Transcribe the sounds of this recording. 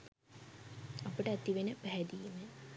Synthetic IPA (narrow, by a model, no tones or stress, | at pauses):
apəʈəæt̪iʋenəpæɦæd̪iːme